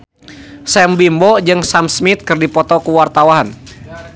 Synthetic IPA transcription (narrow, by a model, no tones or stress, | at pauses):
sɛmbimbɔd͡ʒɨŋsamsmit̪̚kɨrdipɔt̪ɔkuwart̪awaɦan